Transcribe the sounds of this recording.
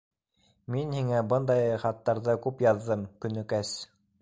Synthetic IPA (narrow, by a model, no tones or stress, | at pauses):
minhiŋæbɤnd̪ɑjχɑt̪ːɑɾðɤkʉpjɑðːɤmkɵ̆nɵ̆kæs